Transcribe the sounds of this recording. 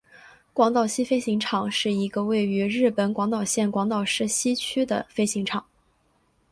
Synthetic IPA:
kwɑ˧˥ŋt̪ɑ˥˩ʊɕi˥fe˥ɪɕi˧˥ŋʈ͡ʂʰɑ˨˩˦ŋʂɻ̩˥˩i˧˥ɡə˧we˥˩ɪy˧˥ɻɻ̩˥˩pə˨˥nkwɑ˧˥ŋt̪ɑ˨˩ʊɕjɛ˥˩nkwɑ˧˥ŋt̪ɑ˥˨˩ʊʂɻ̩˥˧ɕi˥t͡ɕʰy˥d̪ə̰˨fe˥ɪɕi˧˥ŋʈ͡ʂʰɑ˨˩˦ŋ

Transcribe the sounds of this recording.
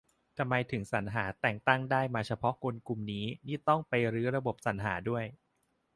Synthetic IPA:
t̪ʰa˧mːa˧jt̪ʰɯ˩˦ŋsa˩˦nɦaː˩˦t̪ɛː˨˩ŋt̪a˥˩ŋdaː˥˩jmaː˧t͡ɕʰa˧pʰɔ˦˥ko˧nku˨˩mniː˦˥niː˥˩t̪ɔ˥˩ŋpa˧jɾɯː˦˥ɾa˧bo˨˩p̚sa˩˦nɦaː˩˦du˥˩əj

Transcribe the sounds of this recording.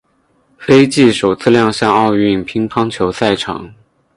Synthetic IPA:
fe˥ɪt͡ɕi˥˩ʂo˨˩ʊt͡sʰɹ̩˥˧ljɑ˥˧ŋɕjɑ˥˧ŋɑ˥˧ʊy˥˩npʰi˥ŋpʰɑ˥ŋt͡ɕʰjo˧˥ʊsa˥˩ɪʈ͡ʂʰɑ̰˧˩˦ŋ

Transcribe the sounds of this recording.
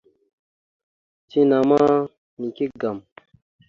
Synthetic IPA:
t͡si˦na˨ma˦ | ni˨ki˦ɡa˨m

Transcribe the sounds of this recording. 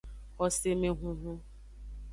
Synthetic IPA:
ɔ˦se˦me˦ɦʊ˦ɦʊ˦

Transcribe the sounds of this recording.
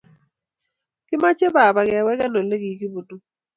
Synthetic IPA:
kɪ˦ma˦t͡ʃe˦ba˨ba˨ɡɛ˨wɛ˦kɛ˦no˨le˦ɡi˨ki˦bo˨du˦

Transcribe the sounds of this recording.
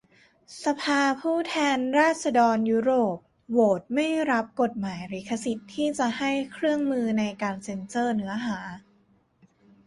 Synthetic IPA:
sa˧pʰaː˧pʰuː˥˩t̪ʰɛː˧nɾaː˥˩t̪̚sa˧dɔː˧njuː˦˥ɾoː˨˩p̚ | woː˨˩t̪̚ma˥˩jɾa˦˥p̚ko˨˩t̪̚maː˩˦jɾiː˩˦˥kʰːa˧si˨˩t̪ʰːiː˥˩t͡ɕa˨˩ha˥˩jkʰɾɯ˥˩əŋmɯː˧na˧jkaː˧nse˧nsɤː˥˩nɯ˩˦ɐɦaː˩˦

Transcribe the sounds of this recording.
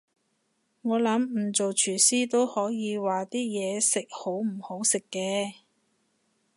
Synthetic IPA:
ŋɔː˨˧lɐ˨˥m̩˨˩t͡so˨wt͡ʃʰyː˨˩siː˥t̪o˥whɔː˨˥jiː˨˧waː˨t̪iː˥jɛː˨˧sɪ˨k̚ho˨˥wm̩˨˩ho˨˥wsɪ˨kːɛː˧

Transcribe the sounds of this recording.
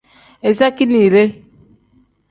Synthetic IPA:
e˨sa˦ki˦ni˨ɾe˦

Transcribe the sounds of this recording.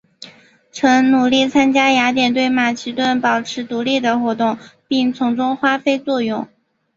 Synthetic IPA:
ʈ͡ʂʰɤ˧˥ŋnu˨˩li˥˩t͡sʰa˥nt͡ɕja˥ja˧˥t̪jɛ˨˩nt̪we˥˩ɪma˨˩ɕi˥t̪wə˥˩npɑ˨˩ʊʈ͡ʂʰɻ̩˧˥t̪u˧˥li˥˩d̪ə˩xwɔ˧˥t̪ʊ˥˩˧ŋpi˥˩ŋt͡sʰʊ˧˥ŋʈ͡ʂʊ˥ŋxwa˥fe˥ɪt͡swɔ˥˧jʊ˥˩ŋ

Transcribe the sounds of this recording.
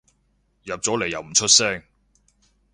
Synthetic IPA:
jɐ˨p̚t͡sɔː˨˥le˨jːɐ˨wm̩˨˩t͡ʃʰɵ˥t̚sɛː˥ŋ

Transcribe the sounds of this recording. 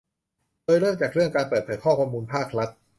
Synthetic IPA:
doː˧jɾɤː˥˩mt͡ɕaː˨˩k̚ɾɯ˥˩əŋkaː˧npəɤː˨˩t̪̚pʰɤː˨˩˦t̪̚kʰɔː˥˩kʰoː˧mːuː˧npʰaː˥˩k̚ɾa˦˥t̪̚

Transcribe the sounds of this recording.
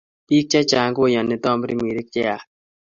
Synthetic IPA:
pi˦k̚t͡ʃa˦t͡ʃa˨ŋɡo˦ja˨nːɪ˨t̪ɔ˦mɾi˦mi˨ɾi˦k̚t͡ʃɛ˦a˨

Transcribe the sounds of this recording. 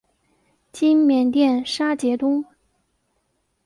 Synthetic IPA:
t͡ɕi˥nmjɛ˨˩nt̪jɛ˥˩nʂa˥t͡ɕjɛ˧˥t̪ʊ˥ŋ

